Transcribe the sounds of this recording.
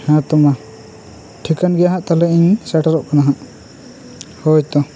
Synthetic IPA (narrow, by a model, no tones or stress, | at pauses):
hãt̪ɔma | ʈʰikanɡɛjaɦaʔt̪alɛiɲsɛʈaɾɔʔkanaɦaʔ | hɔjt̪ɔ